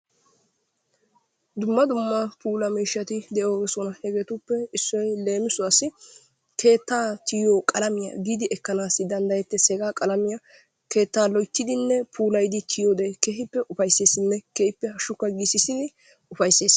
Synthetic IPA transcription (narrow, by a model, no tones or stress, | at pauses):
d̪ʊmːɐd̪ʊmːɐpʰuːlɐmiːʃːɐt̪ɪd̪ɛʔoːɡɛsɔnɐhɛɡet̪ʊpːɛɪsːɔjle̞ːmɪsʊɐsɪ | kʰe̞ːt̪ːaːt̪ʰɪjoːkʼɐlɐmɪjɐ̰ɡiːd̪ɪʔɛkːɐnaːsːɪd̪ɐnd̪ɐjɛt̪ːɛsɛɡaːkʼɐlɐmɪjɐ | ke̞ːt̪ːaːlɔjt̪ːɪd̪ɪnːɛpʰuːlɐjd̪ɪt̪ʰɪjod̪ekeɦɪpːɛʔʊfɐjsːeːsːɪnːɛkɛhɪpːɛhɐʃʊkːɐɡisːɪsɪd̪ɪ | ʊfɐjsːeːs